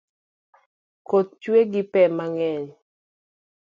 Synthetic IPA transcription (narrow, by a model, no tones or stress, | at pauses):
kot̪̚t͡ʃweɡɪpɛmaŋɛɲ